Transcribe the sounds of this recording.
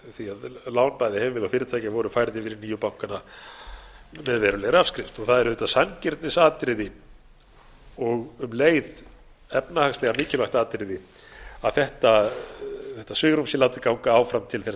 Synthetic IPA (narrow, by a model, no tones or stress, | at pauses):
θiaðlaːwnpajðɪhɛvɪvɪlawfɪɾɪt̪ʰaːjcavɔɾʏfajɾðɪfɪɾɪniːjʏpawŋ̥kana | mɛðvɛːɾʏlɛɣɾafskɾɪft̪ɔɣθaðɛɾʏðɛt̪asancɪɾ̥t̪nɪsaːt̪ɾɪðɪ | ɔɣʏmleːjð | ɛpnahakstlɛɣamɪːcɪlaxt̪aːt̪ɾɪðɪ | aðθɛht̪a | θɛht̪ːasvʏːɣɾumsɪlaːwt̪ɪkawŋkaaːwfɾamt̪ʰɪlθɛ